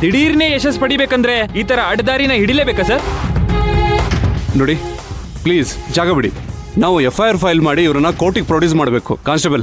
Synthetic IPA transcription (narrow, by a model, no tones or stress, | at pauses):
d̪iɽiːɾneːeʃɐspɐɽibeːkɐnd̪ɾe̞iːt̪ɐɾɐɐɽd̪aːɾinɐɦiɽilebeːkɐsɐɾ | noːɽi | pliːzd͡ʒaːɡɐbiɽi | naːʋuepʰːɐjɐɾpʰɐjlmaːɽiːʋɐɾɐnːɐkoːʈiɡpɾoːʈjiuːsmaːɽbeːkṵkaːnsʈebɐl